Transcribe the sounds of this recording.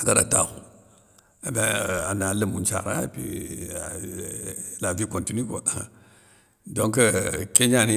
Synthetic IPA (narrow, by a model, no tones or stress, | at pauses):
akada̰ta̰xu | amaanaləmunt͡ʃa̰ɾa̰pḭ | lavikontiniko | doŋkəkeɲani